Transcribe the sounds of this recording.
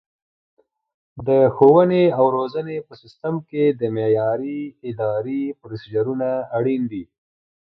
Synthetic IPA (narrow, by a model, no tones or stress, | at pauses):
d̪əxowəneawɾozənepəsɪst̪əmked̪əmejɑɾiɪd̪ɑɾipɾosid͡ʒaɾunaːɽind̪i